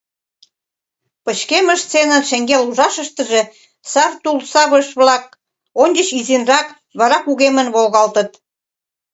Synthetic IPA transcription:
pət͡ɕkeməʃt͡senənʃeŋɡeluʒɑʃəʃt̪ə̆ʒe | sɑrt̪ulsɑβəʃβlɑk̚ | onʲd͡ʑət͡ɕizenrɑk | βɑɾɑkuɣemənβolɣɑlt̪ət̪

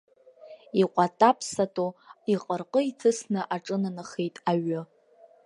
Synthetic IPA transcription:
iqʷʼatʼapʰsatʼoiqʼərqʼəitʰɨsnɨʔaʈ͡ʂʼɨnɨnɨχejtʼaɥʊ

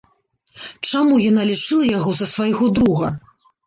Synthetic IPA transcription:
t͡ʂamujanalʲit͡ʂɨlˠɐjaɣɔzɐsvajɣɔd̪ɾuɣɐ

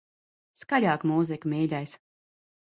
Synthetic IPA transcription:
skalʲaːkmuːzikmʲiːd̪ʲajs

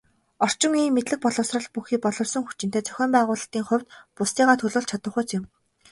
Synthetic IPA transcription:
ɔr̥t͡ɕɪ̆ŋiːŋmːet̪ɮɘ̆k̚pɔɮɞ̆wsrə̆ɮpuxiːk̚pɔɮɞ̆wsɞ̆ŋxut͡ɕɪnt̪eːt͡sœ̥xʲɔːmpæːʁʊːɮə̆ɬt̪iːŋχʊ̟w̥ʲt̪pʊst̪iːʁaːt̪ʰɵɮoːɮt͡ɕʰat̪ə̆χʊ̆ːt͡sɪ̆m

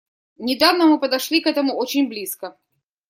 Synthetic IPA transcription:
nʲɪd̪avnəmɨpəd̪ɐʂlʲikɛt̪əmʊo̞t͡ɕɪnʲblʲiskə

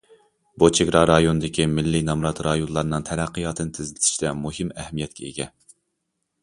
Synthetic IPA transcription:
but͡ʃʰeɡɾɑɾɑjonɨd̪ɪkʲʰimɪlːinɑmɾɑt̪ɾɑjonlˠɑɾnɨŋt̪ʰæɾæqːɨjɑt̪ʰɨnɨt̪ʰɪzɪlɪt̪ʰi̥ʃt̪ɛmuhɨmɛhmijɛt̪kʲʰɛḛɡʲɛ

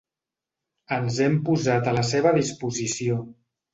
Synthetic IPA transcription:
ənzɛmpuzat̪ələseβ̞əðispuzisio

